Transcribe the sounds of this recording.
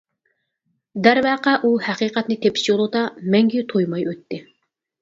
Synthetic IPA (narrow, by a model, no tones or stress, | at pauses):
d̪æɾvæːqæʔuhæqiːqʰɛt̪nɪt̪ʰepʰɪ̥ʃjolˠɨd̪ɑmɛŋɡʲijyt̪ʰojmɑjøt̪ːɪ